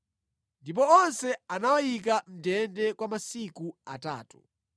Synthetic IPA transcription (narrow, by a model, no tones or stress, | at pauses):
ndip̬ɔɔnsɛanawajik̬am̩dɛndɛkwamasikuata̰ːtu̥